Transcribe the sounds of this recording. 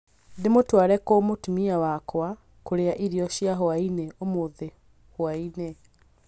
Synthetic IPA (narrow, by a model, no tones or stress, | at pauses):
demotwaːɾɛkomotumiawakwa | koɾeaʔiɾiɔʃjaɦoainɛomoðe | hwainɛ